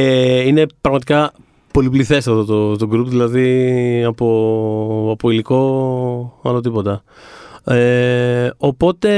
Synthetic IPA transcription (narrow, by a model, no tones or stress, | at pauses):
eine̞pɾɐɣmɐt̪ikɐ | po̞lipliθe̞sɐfðot̪ot̪oɡɾupðilɐðiɐpo | ɐpoiliko̞ | ɐlot̪̬ipo̞t̪ɐ | e | o̞po̞t̪e̞